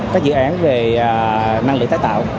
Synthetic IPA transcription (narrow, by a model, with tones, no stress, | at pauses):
kaː˦˥k̚zɨ̰˧˨ʔaː˨˦nve˨˩˨na˧ŋɨ˨˩k̪̚aː˨˦jt̪a̰ː˧˨w